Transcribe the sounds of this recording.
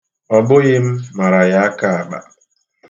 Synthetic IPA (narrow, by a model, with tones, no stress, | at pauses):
ɔ˨bʊ˦ɣɪ˦m̩˦ma˨ɾa˨ja˦a˦ka˦a˨ɡ͡ba̰˨